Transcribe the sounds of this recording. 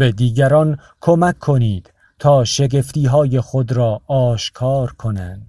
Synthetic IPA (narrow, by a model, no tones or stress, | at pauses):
bed̪iːɡæɾɒn | kʰomækʰːoniːd̪̥ | t̪ʰɒːʃe̞ɡe̞ft̪iːɦɒːje̞xod̪ɾɒːʔːʃkʰɒːɾkʰo̞nænd̪̥